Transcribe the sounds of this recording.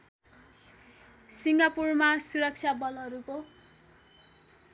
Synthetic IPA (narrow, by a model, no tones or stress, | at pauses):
siŋɡapurmasuɾʌk̚t͡sʰjabʌlʌɾuko